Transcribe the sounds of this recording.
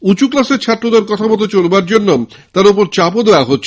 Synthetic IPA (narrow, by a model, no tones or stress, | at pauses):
ut͡ɕuklaseɾt͡ɕʰat̪ːɾod̪eɾkɔt̪ʰabɔt̪ot͡ɕolbaɾd͡ʑonːo | t̪aɾup̬oɾt͡ɕapod̪eeaɦotːɕʰ